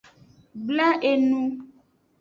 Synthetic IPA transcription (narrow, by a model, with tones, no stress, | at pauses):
ɡ͡bla˦ʔe˨nũ˦